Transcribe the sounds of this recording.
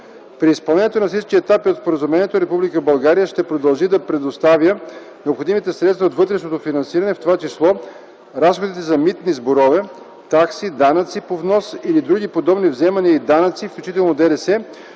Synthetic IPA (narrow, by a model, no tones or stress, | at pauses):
pɾiːspɐlˠnɛnʲjɛt̪onɐfsit͡ʃkiɛt̪apiot̪spoɾəzumɛnʲiɛt̪oɾɛpublikəbɐlˠɡaɾijəʃt̪ɛpɾod̪ɐlˠʒid̪ɐpɾɛd̪ost̪avʲjə | nɛopxod̪imit̪ɛsɾɛt̪st̪vɐot̪vɤt̪ɾɛʃnot̪ofinɐnsiɾənɛft̪ovat͡ʃislˠɔ | ɾasxod̪it̪ɛzɐmit̪nizboɾɔvɛ | t̪aksid̪anət̪sipovnɔsilid̪ɾuɡ̟ipod̪ɔbnivzɛmɐniəid̪anət̪sifklʲut͡ʃit̪ɛlˠnod̪ɛd̪ɛsɛ